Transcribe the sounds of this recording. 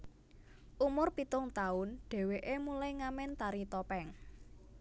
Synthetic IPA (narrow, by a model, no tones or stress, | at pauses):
ʔumʊrpit̪ʊŋt̪aʊnɖ̥ɛ̤weʔemulajŋamɪnt̪aɾit̪ɔpɛŋ